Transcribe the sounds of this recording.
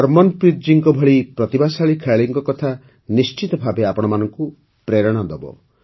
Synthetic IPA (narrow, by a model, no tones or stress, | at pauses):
ɔɾmɔnpɾit̪d͡ʒiŋkɔbʱɔɭipɾɔt̪ibasaɭikʰeɭiŋkɔkɔt̪ʰa | nist͡ʃit̪ɔbʱabeapɔɽ̃ɔmanɔŋku | pɾeɾɔɽ̃ɔd̪ɔbɔ̰